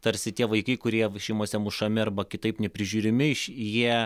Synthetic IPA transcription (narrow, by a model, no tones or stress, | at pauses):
t̪ɐɾʲsʲɪt̪ʲiɛʋɐɪkɐɪkʊɾʲiɛʃʲɛɪmoːsʲɛmʊʃɐmʲɪɐrbɐkʲɪt̪ɐɪpnʲɛpʲɾʲɪʒʲuːɾʲɪmʲɪʃjiɛ